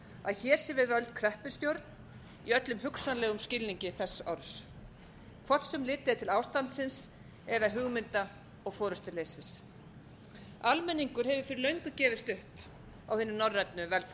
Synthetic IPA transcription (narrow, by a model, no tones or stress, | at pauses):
a̰ðçɛːɾ̥sɛvɪðvœlt̪̚kʰɾɛhpʏ̥st̪jowɾt̪n | iœt̪lʏmhʏksanlɛːɣʏmscɪlniɲcɪθɛsːɔɾs | kʰvɔr̥t̪sɛmlɪːt̪ɪat̪ʰɪlawst̪ant̪sɪns | ɛðaɦʏɣmɪnt̪a | ɔɣfɔːɾʏst̪ʏɾleːjsɪs | almɛnːiŋkʏɾhɛvʏfɪɾɪlœɥjŋkʏcɛːvɪst̪ʏhp | awhɪnʏnɔrːɛt̪nʏvɛlf